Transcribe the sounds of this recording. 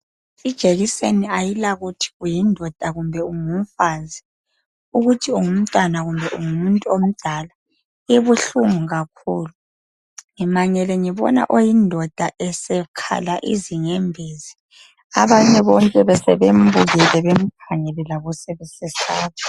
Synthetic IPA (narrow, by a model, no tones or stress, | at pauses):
id̥ʒ̥ʱeɣiseniajilaɣutʰi̥ɣujindʱɔd̥ʱaɣumbʱɛuŋum̩fazi | uɣutʰiuŋum̩tʼwanaɣumbʱɛʔuŋumuntʼuom̩d̥ʱala | iβuɬuŋuɣakʰṵːlu | ŋimaɲɛlɛŋɛβɔ̰na̰ʔojindʱɔd̥ʱaʔɛsɛkʰa̰laʔḭziŋembʱiːzi | aβaɲɛβɔŋkʼɛβɛsɛβembʱuɣɛlɛβem̩pʰaŋɛlɛlaɣusɛβɛsɛsaːβɔ